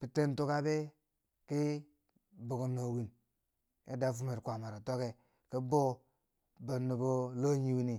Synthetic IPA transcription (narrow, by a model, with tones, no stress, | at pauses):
pi˨te˦n˦to˦ka˦be˦ | ki˦ | bo˨ku˨no˨wi˨n | ḛ˦da˦fu˦me˨ɾkʷa˨ma˨ɾa˨to˦ke˨ | ki˦bo˦ | bo˨nːi˨bo˦lo˦ɲi˦wi˦ni˨